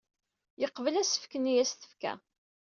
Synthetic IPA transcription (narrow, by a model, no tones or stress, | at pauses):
jəqːvəlæsə̥fkənijæsθə̥fkæ̰